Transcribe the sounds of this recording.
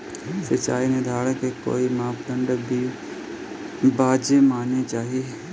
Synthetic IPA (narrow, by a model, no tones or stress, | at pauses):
sət͡ʃa̰ːined̪ʱaːɽkeko̰ːimaːpɡə̃ɳɖbʱi | baːd͡ʒemaːnet͡ʃaːɦie